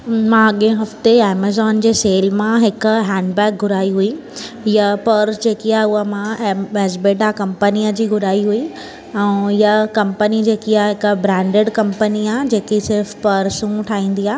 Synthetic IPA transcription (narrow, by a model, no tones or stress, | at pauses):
mãɐɠẽɦɐft̪eɛːmazɔːnd͡ʑeːseːlmãɦɪkɦɛ̃ːɳɖbɛːk̚ɡʱʊɾaːiɦui | japɐɾsd͡ʑeːkiaːʊɦəmãɛːzbeːʈakɐ̃mpənijəd͡ʑiːɡʱʊɾaːiɦui | ɛ̃jakɐ̃mpənid͡ʑeːkiaːɦɪkbɾɛ̃ːɳɖeɖkɐ̃mpəniaːɦd͡ʑeːkisɪɾfpɐɾsũʈʰaːɦĩːn̆d̪iaː